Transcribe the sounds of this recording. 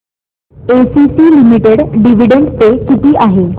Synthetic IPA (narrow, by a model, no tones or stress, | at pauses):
esisiːlimiʈeɽɖiʋ̤iɖeɳt̪ekit̪iːʔaɦe